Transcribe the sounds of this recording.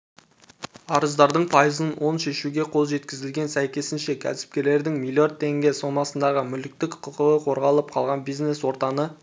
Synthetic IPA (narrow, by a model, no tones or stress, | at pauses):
ɑɾəzd̪ɑɾd̪əɴpʰɑjəzənwo̞nʃe̞ʃuɡʲe̞qʰo̞lˠʒe̞t̪kʲɪzɪlɡʲe̞nsæjkʲe̞sɪnʃe̞kʲʰæ̰sɪ̥p̚kʲe̞ɾle̞ɾd̪ɪŋmilʲiod̪̚ʰe̞ŋɡʲe̞so̞mɑsənd̪ɑʁəmʏlɪk̚t̪ɪkqʰəqəʁəqʰo̞ɾʁɑlˠəp̚qʰɑlˠʁɑnbijzne̞swo̞ɾt̪ɑnə